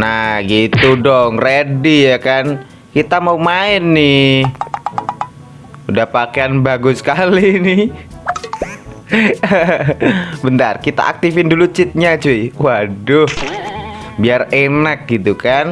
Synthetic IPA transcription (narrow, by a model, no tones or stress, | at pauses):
naɡit̪udɔŋredijakan | kit̪amaumaɪnːɪ | udahpakeanbaɡʊskalinɪh | bənt̪arkit̪a̰a̰k̚t̪ifɪndulut͡ʃɪt̪̚ɲat͡ʃuiwadʊh | biarenak̚ɡit̪ukan